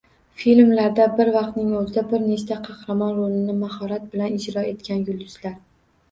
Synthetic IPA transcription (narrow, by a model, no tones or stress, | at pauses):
filmlaɾd̪abɪɾvɑqt̪nɪŋɵzɪd̪abɪɾne̞ʃt̪ʰaqʰɑhɾamɒnɾolɪnɪmahɒɾat̪̚bɪlanɪd͡ʒɾɒe̞t̪̚kʲanjʊlˠd̪ʊz̥laɾ